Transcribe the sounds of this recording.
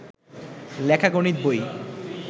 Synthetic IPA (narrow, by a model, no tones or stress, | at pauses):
lɛkʰaɡonit̪̚boj